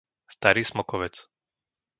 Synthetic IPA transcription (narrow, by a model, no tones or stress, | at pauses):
st̪aɾiːsmɔkɔʋɛt͡s